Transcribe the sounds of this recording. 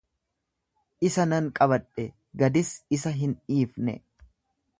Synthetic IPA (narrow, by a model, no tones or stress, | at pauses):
ʔɪsɐnɐŋkʼɐβɐᶑʼɛ | ɡɐd̪ɪsɪsɐɦɪniːfnɛ̰